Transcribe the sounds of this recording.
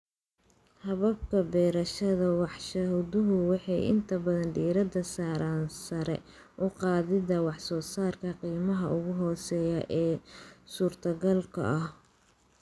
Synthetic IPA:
hɐβɐb̚kʰɐbɛːɾɐʃɐðɐwɑħʃɐɦʊdʊɦʊwɑħɑjɪ̰nt̪ʰɐbɐðɐnɖiːɾɐd̪ɐsaːɾaːnsɐɾɛ̰ | ʔʊqɑːðɪðɐwɑħsɔːsaːrkʰɐqiːmɐɦɐʔʊɣʊɦɔːsɛːjɐʔɛːsuːrt̪ʰɐɣɐlkʰɐ̰ʔɐh

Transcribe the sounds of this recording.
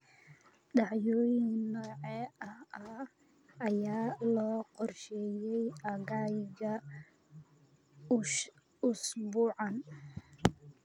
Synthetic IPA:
ɗɑʕjɔːjɪnnɔːʕɛɐɐ | ɐjaːlɔːqɔrʃɛjɛjʔɐɣaːjɣɐ | ʊsbuːʕɑn

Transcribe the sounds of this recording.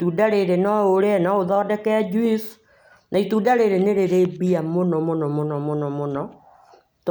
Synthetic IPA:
tudaɾeɾenɔoɾeɛnaoðɔːdɛkɛad͡ʒwis | naituːdaɾeɾeneɾeɾebiamonɔmonɔmonɔmonɔmonɔ | t

